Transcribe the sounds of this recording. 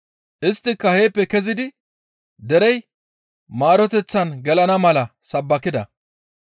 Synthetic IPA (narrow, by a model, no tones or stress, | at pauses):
ʔɪst̪ːɪkːɐheːpːɛkɛzɪd̪ɪ | d̪ɛɾɛj | maːɾɔt̪ɛt͡sːɐnɡɛlɐnɐmɐlɐsɐbːɐkɪd̪ɐ